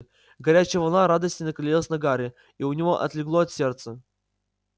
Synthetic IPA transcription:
ɡɐɾʲæt͡ɕɪəvɐlˠnaɾad̪əsʲtʲɪnəkɪlʲilˠəsʲnɐɡaɾʲɪ | iʊnʲɪvoʔɐ̰t̪lʲɪɡlˠoɐt̪sʲert̪sə

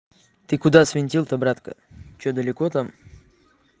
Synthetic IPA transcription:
t̪ɨkʊd̪asvʲɪnʲtʲilˠt̪əbɾat̪kə̰t͡ɕod̪əlʲɪkot̪am

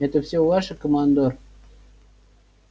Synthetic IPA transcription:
ɛt̪əfsʲeɑʃəkomɑnd̪or

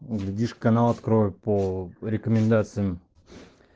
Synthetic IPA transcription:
ɡlʲɪdʲiʂkkɐnalˠɐt̪kɾovʲpoɾʲɪkəmʲɪnd̪at̪sɨjəm

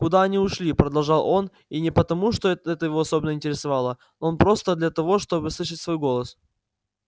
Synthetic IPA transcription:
kʊd̪aɐnʲiʊʂlʲipɾəd̪ɐlˠʐɑlˠʔo̞n | inʲɪpət̪ɐmuʂt̪o̞ɛɛt̪əjɪvo̞ɐsobʲɪnəɪnʲtʲɪɾʲɪsɐvɑlˠə | noonpɾo̞st̪əd̪lʲɐt̪ɐvo̞ʂt̪o̞bɨslˠɨʂɨtʲsvo̞jɡo̞lˠəs

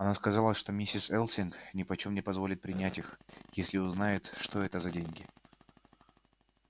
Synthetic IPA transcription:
ɐnaskɐzɑlˠəʂt̪o̞mʲisʲɪsɛlˠsʲɪnknʲɪpɐt͡ɕomnʲɪpɐzvo̞lʲɪt̪̚pɾʲɪnʲætʲixjesʲlʲɪʊznajɪt̪ʂt̪oɛt̪əzɐdʲenʲɡʲɪ

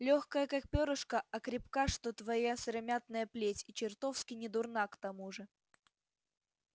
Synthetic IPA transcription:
lʲoxkəjəkak̚pʲoɾɨʂkəʔɐkɾʲɪpkaʂt̪ot̪vɐjasɾɐmʲat̪̚nəjəplʲetʲɪt͡ɕɪrt̪ofskʲɪnʲɪd̪ʊrnakt̪ɐmuʐɨ

